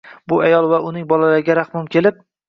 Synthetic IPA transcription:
bʊajɒlˠvaʊnɪŋbɒlalaɾɪɡʲaɾaχmʊmkʲʰe̞lɪp̚

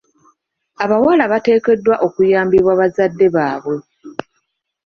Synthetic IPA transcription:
aβawalaβate̞ːke̞dːwaʔo̞kujaːmbiβwaβazadːe̞βaːβwe̞

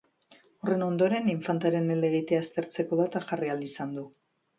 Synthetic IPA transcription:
ore̞no̞nd̪o̞ɾe̞niɱfant̪eaɾe̞nele̞ɣ̞it̪e̞aest̪e̞ɾt͡se̞ko̞ðat̪aʝariald̪isand̪u

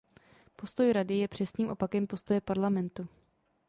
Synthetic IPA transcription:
po̞st̪o̞jɾadɪjɛpr̥ɛsɲiːmʔo̞pakɛmpo̞st̪o̞jɛpaɾlamɛnt̪u

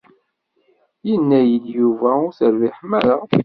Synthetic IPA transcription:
jənːæjəljuvæʊɾθəɾviħmæɾa

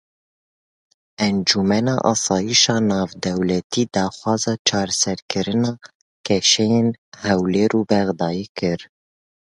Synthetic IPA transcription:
ɛnd͡ʒumɛnɑ̰ːʔɑ̰ːsɑːjiʃɑːnɑːvd̪ɛwlɛt̪ʰiːd̪ɑːxwɑːzɑːt͡ʃʰɑːɾɛsɛɾkʰɨɾɨnɑː | kʰɛʃɛjeːnhɛwleːɾuːbɛɣd̪ɑːjiːkɨɾ

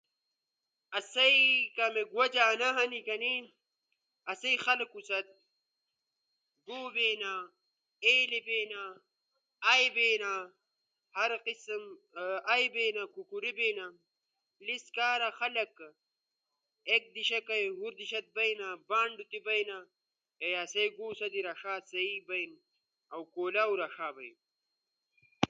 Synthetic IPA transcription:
ɐsɐikɐmeɡwɐd͡ʒaːnɐɦɐnikɐni | ɐsɐixɐlkusɐt̪̚ | ɡoːbeːna | eːlebeːna | ɐjbeːna | hɐɾqism | ajbeːnakukuɾibeːna | liskaːɾaxɐlɐk | ek̚d̪iɕɐkɐjhuɾd̪iɕɐt̪̚bɐjnabaːɳɖut̪ibɐjna | ejaːsejɡuːsɐd̪iɾaʂaːsɐibɐjn | ɐwkoːlaːuɾaʂaːbɐjn

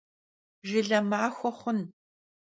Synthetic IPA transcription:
ʒɪɮɐmaːxʷɔχʷʊn

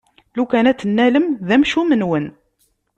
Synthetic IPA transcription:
lukænæt͡sːənːæləmðæmʃumənwən

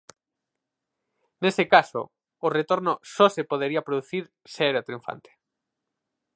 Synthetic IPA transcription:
nesekaso̰ː | ret̪oɾnosɔsepoðeɾiapɾoðuθiɾ | seɛɾat̪ɾiũfa̰nt̪ʰe̥

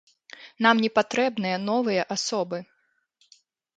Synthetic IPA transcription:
namnʲɛpat̪ɾɛbnɨjɐnɔvɨjɐʔasɔbɨ

